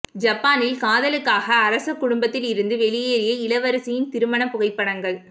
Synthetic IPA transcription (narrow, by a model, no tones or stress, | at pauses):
d͡ʒɐpːaːnɪlkaːðɐlɯkːaːɣɐːɾɐsɯkːʊɽʊmbɐt̪ːɪlɪɾɯnd̪ɯʋɛɭɪjeːɾɪjɐɪlɐʋɐɾɐsɪjɪnt̪ɪɾɯmɐɳɐpːʊɣɐɪpːɐɽɐŋɡɐɭ